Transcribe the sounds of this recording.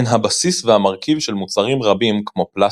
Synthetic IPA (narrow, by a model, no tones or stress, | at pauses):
nɦabasisvehamaʁkivʃe̞lmut͡saʁimʁabimkmo̞pla